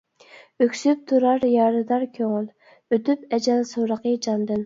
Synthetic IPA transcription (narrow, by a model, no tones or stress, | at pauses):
økʲsyp̚t̪ʰuɾɑɾjɑːɾɨd̪ɑɾkʲʰøŋyl | øt̪ypɛd͡ʒɛlsoɾəqəd͡ʒɑnd̪ɨn